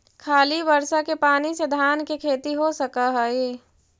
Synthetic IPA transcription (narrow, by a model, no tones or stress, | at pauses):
kʰaːlibəɾʃakepaːnised̪ʱaːnkekʰeːt̪iɦosəkaɦɛiː